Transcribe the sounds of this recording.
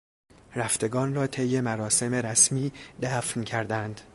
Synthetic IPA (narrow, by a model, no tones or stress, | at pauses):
ɾæft̪e̞ɡɒːnrɒːt̪ʰejːe̞mæɾɒːse̞me̞ɾæsmiːd̪æːfncʰæɾd̪ænd̪̥